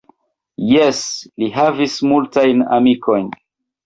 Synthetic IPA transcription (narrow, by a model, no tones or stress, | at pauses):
jesliɦavismultajna̰mikʰo̞jn